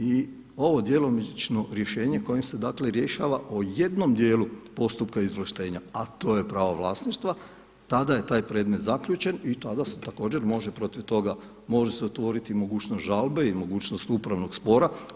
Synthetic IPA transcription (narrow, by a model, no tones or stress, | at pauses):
i | o̞ʋo̞d̪je̞lˠomit͡ʃno̞ɾje̞ʃe̞ːɲeko̞jemse̞d̪aːkleɾje̞ʃaːʋaʔoje̞d̪no̞md̪je̞ːlupo̞st̪up̚kaizʋlˠaʃt̪e̞ːɲaat̪o̞jepɾaːʋaʋlˠaːsniʃt̪ʋa | t̪ad̪aje̞t̪aːjpɾe̞ːd̪me̞t̪zakʎuːt͡ʃe̞nit̪ad̪ase̞̥t̪ako̞ːd͡ʑe̞ɾmo̞ʒepɾo̞t̪iʋt̪o̞ɡa | mo̞ʒeseot̪ʋo̞ːɾit̪imo̞ɡuːt͡ʃnost̪ʒalbe̞imo̞ɡuːt͡ɕnost̪upɾaʋno̞ɡspo̞ːɾa